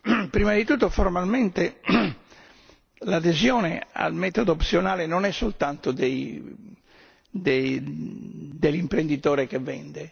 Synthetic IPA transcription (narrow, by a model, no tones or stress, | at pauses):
pɾiːmad̪it̪ut̪ːofɔrmalmɛnt̪e | lad̪ezjɔːnɛa̰lmɛːt̪od̪oːpsjɔnaːlenɔnɛsːolt̪ant̪od̪ei | d̪e | d̪elimpɾend̪it̪ɔːɾekevːɛ̰nd̪ɛ